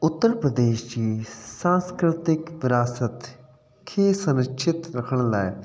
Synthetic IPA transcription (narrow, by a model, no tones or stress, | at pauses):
ʊt̪ːəɾpɾəd̪eːʃd͡ʒiːsãːnskɾɪt̪ɪkʋɪɾaːsət̪ | kʰeːsənəkʃʰɪt̪ɾəkʰəɳ̃laːe